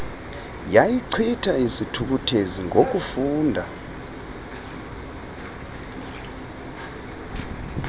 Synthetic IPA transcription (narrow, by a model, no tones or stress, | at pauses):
jajiǀʰitʰaisitʰuk̬utʰeziŋok̬ʼufuːndʱa